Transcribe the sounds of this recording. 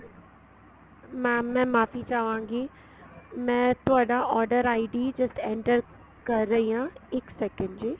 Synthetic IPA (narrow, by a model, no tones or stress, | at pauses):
mãmɛ̃ːmaːfit͡ɕaːʋãːŋɡeː | mɛ̃ːt̪oaːɗãʔɔːɾɖəɾaːɪɖiːd͡ʑɐsʈẽːɳʈəɾ | kɐɾəiãɪksɛkə̃ɳɖd͡ʑiː